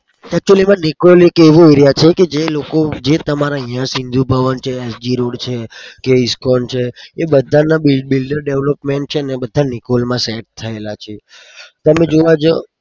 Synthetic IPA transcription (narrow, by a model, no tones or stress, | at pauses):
ɛk̚t͡ʃuəlimãnikolekeʋooiɾjat͡ʃʰeked͡ʒelokod͡ʒet̪əmaɾaəɦĩjãsind̪ʱubʱəʋənt͡ʃʰeːsd͡ʒiɾoɽt͡ʃʰekeiskɔnt͡ʃʰeebəd̪ʱanabilɖbilɖəɾɖeʋlɔpmeɳʈ̚t͡ʃʰenebəd̪ʱːanikolmãseʈ̚t̪ʰːəelat͡ʃʰe | t̪əmed͡ʒoʋad͡ʒo